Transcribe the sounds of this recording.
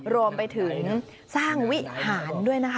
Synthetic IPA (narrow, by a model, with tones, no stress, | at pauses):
ɾu˧əmpa˧jt̪ʰɯ˩˦ŋ | saː˥˩ŋwi˦˥haː˩˦ndu˥˩əjna˦˥kʰ